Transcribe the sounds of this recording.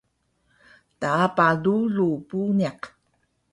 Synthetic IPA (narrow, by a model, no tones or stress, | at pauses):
tapalulupuniaq